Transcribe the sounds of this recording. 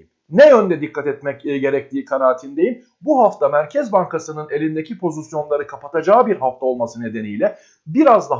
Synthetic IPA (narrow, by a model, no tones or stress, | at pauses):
nɛjønd̪ɛd̪ikʰːat̪ɛt̪mɛcɟe̞ɾɛc̚t̪ʰiːkʰanaːt̪ʰind̪e̞jim | buɦaft̪amæɾcʰɛzbaŋkʰasɯnɯne̞lʲind̪ecʰipʰo̞zisjo̞nlˠaɾɯkʰapʰat̪ʰad͡ʒaːbiɾɦaft̪ao̞lˠmasɯne̞d̪e̞nijlʲɛ | biɾazd̪a